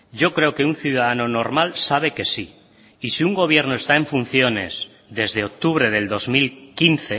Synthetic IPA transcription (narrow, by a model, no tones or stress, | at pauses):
ɟ͡ʝo̞kɾe̞oke̞unθjuðaðano̞no̞ɾmalsaβ̞e̞ke̞si | isiuŋɡo̞β̞je̞ɾnoe̞st̪ae̞ɱfun̟θjo̞ne̞̰z | ðe̞zðe̞o̞k̚t̪uβ̞ɾe̞ð̞e̞ld̪o̞zmilkinθe̞